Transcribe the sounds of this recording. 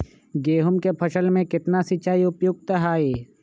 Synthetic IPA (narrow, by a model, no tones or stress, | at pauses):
ɡeːɦʊmkepʰɐʃəlmẽkɪt̪nasit͡ʃaːiʊpjʊɡ̚t̪əɦaːeː